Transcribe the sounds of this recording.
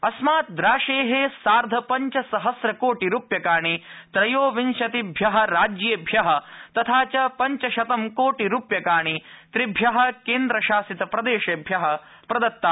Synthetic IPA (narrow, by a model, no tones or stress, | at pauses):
ɐsmaːt̪̚d̪ɾaːʃeːɦesaːɾd̪ʱɐpɐɲt͡ʃɐsɐɦɐsɾɐkoːʈiɾuːpjɐkaːɳit̪ɾɐjoːʋinʃɐt̪ibʱjɐɦɐ̆ɾaːd͡ʒjeːbʱjɐɦɐ̆t̪ɐt̪ʰaːt͡ʃɐpɐɲt͡ʃɐʃɐt̪ɐmkoːʈiɾuːpjɐkaːɳ̃it̪ɾibʱjɐɦɐ̆keːnd̪ɾɐʃaːsit̪ɐpɾɐd̪eːʃeːbʱjɐɦɐ̆ | pɾɐd̪ɐt̪ːaː